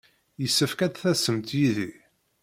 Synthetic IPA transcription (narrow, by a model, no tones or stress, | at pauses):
jəsːəfkæd̪θæsəmt̪jiði